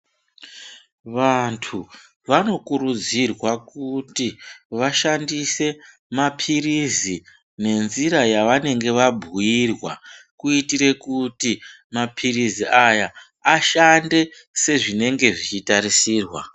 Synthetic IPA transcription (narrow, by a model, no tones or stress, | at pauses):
ʋantʰu | ʋano̞kuɾud͡zirwakutiʋaʃandise̞ | mapʰirizi | ne̞nziɾajaʋane̞ŋɡe̞ʋabʱuirwakuitiɾe̞kuti | mapʰiriziʔaja | aʃande̞ | se̞ʐine̞ŋɡe̞ʐit͡ʃitaɾisiːrwa